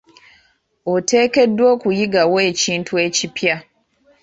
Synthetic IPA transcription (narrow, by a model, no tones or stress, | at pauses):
otʰeːke̞dːwokujiɡaweːciːntʰuecipʰja